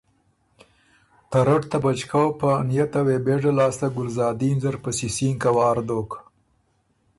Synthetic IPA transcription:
t̪aɾaʈt̪abat͡ʃkawpənijat̪awebeʐalɑːst̪aɡʊlzɑːd̪inzaɾpəsisiŋkawɑːɾd̪oːk

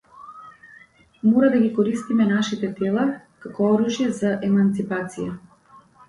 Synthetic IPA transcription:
mɔɾad̪aɡikɔɾist̪imɛnaʃit̪ɛt̪ɛlˠa | kakɔɔɾuʒjɛzaʔɛmant̪sipat̪sija

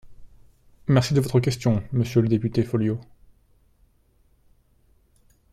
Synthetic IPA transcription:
mɛʁsid̪əvɔt̪χəkʲɛst̪jɔ̃məsjøləd̪epyt̪efɔljo

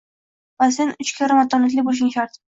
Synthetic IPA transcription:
vasenʊt͡ʃkʲʰaɾamat̪ːɒnat̪lɪbolɪʃ̬ɪŋʃaɾt̪

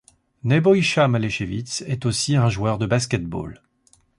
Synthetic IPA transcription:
nɛbɔjʃamaleʃevit̪sɛt̪osiɛ̃ʒwœʁd̪əbaskʲɛt̪̚bo̰l

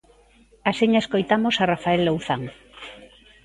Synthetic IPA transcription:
asiɲaeskojt̪amosarafaelːowθaŋ

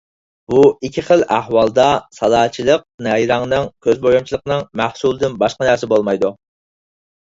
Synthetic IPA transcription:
b̥uikʲʰiχəlˠæhwɑlˠd̪ɑsɑlˠɑːt͡ʃʰilˠəq̚nɛjɾɑŋnɨŋkʲʰøzbojumt͡ʃʰilˠəqnɨŋmæhsulˠd̪ɨnbɑʃqɑnæɾsɪbolˠmɑjd̪u

